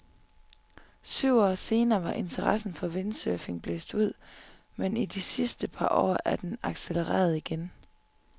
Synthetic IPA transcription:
syʊ̰ɒ̰ːse̝ːnɐːʋɑ̈ʔe̝nt͡sʰɐʁɑ̈sn̩fɒ̽ʋe̝nsøfe̝ŋb̥le̝̰ːsd̥uð̞̰ˠ | menid̥isisd̥əpʰɑ̈ʔɒ̰ːæɐd̥enɑ̈ɡ̥seləʁɛ̰ːɐð̞ˠiɡ̥en

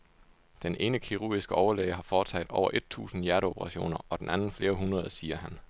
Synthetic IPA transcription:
d̥enʔe̝ːnəkʰiʁuɐ̰ɡ̥isɡ̥əʔɒʊɐlɛɪəɦɑ̈fɒːt͡sʰɛ̰ɪd̥ɒʊɐʔe̝d̥̚t͡sʰṵːsn̩jæɐɾəopʰəʁɑ̈ɕo̝̰ːnɐɒ̽d̥enʔænn̩fle̝ːɐɦunʁɐð̞ˠsiːɐɦæn

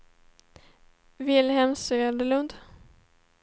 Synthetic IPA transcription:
vɪlhɛmsøːald̪əlɵnd̪

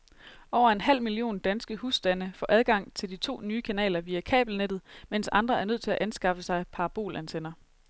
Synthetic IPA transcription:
ʔɒʊɐe̝nɦæl̰milio̝̰ːnd̥ænsɡ̥əhusd̥ænəfɒ̰ːʔæð̞ˠɡ̥ɑ̈ŋ̰t͡sʰe̝ld̥it͡sʰo̝̰ːnyːkʰænɛ̰ːlɐʋiːækʰɛ̰ːb̥l̩ned̥ð̩ˠmensɑ̈nd̥ʁɐæɐnøð̰ˠt͡sʰe̝læʔænsɡ̥ɑ̈fəsɑ̈ɪpʰɑ̈ʁɑb̥o̝̰ːlʔænt͡sʰenɐ

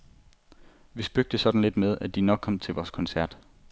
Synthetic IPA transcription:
ʋisb̥øɡ̥̚d̥əsɒ̽d̥n̩le̝d̥með̞ˠæd̥inɒ̽ɡ̥̚ʰɒ̽m̰t͡sʰe̝lʋɒːskʰɒ̽nsæɐ̰d̥

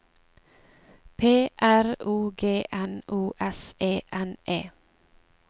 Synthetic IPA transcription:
pʰeːʔæɾuːɡeːʔɛnʔuːʔɛsʔeːʔɛnʔḛː

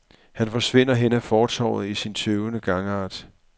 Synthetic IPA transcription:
hænfɒ̽sʋe̝n̰ɐɦenəæfɒːt͡sʰɒ̰ʊð̩ˠisint͡sʰøʊnəɡ̥ɑ̈ŋɑ̈ːd̥

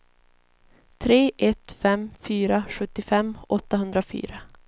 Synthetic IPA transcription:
t̪ʰɾeːʔɛt̪fɛmfyːɾaɧɵt̪ːɪfɛmːʔɔt̪ːaɦɵnd̪ɾafy̰ːɾa

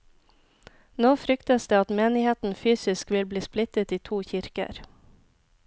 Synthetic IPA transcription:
noːfɾʏkt̪əsd̪eːɑt̪meːnɪheːt̪n̩fyːsɪskʋɪlbliːsplɪt̪ət̪iːt̪ʰuːçɪɾkə̰ɾ

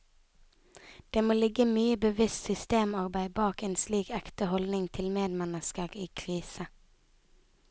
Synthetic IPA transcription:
d̪̥eːmoːlɪɡəmyːəbəʋɪst̪sʏst̪eːmɑʁbæɪbɑːkeːnsliːkækt̪əhɔld̪nɪŋt̪ʰɪlmeːd̪mɛnəskəʁiːkʰʁiːsə

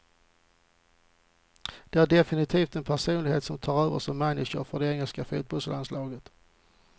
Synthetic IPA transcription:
d̪̥ɛæɾɖɛfɪnɪt̪ʰiːft̪ɛnpʰæʂuːnlɪɡheːt̪sɔmt̪ʰɑːɾøːvə̰ʂɔmːɛnːɪʂə̰ɾfœɖɛɛŋːəlskafṵːt̪̚bɔlsəlʔanslɑːɡət̪

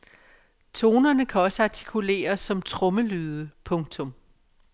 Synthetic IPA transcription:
t͡sʰo̝ːnɐnəkʰæɒ̽səɑ̈t͡sʰi̥kʰule̝̰ːɐsːɒ̽mt͡sʰʁɔ̽məlyːðˠəpʰɔ̽ŋt͡sʰɔ̽m

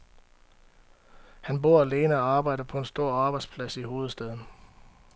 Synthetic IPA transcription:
hænbo̝ɐ̰æle̝ːnəɒɑ̈ːb̥ɑ̈ɪ̰d̥ɐpʰɒ̽e̝nsd̥o̝ɐ̰ɑ̈ːb̥ɑɪ̥spʰlæsiho̝ːð̩ˠsd̥eð̞ˠn̩

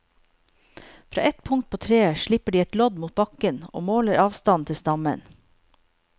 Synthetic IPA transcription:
fɾɑ̰ːʔɛt̪pʰʊŋt̪̚pʰoːt̪ʰɾeːəʃɭɪpəɖiːɛt̪lɔd̪muːt̪̚bɑkəno̰ːmoːləɾɑːʋst̪ɑnt̪ʰɪst̪ɑmə̰n

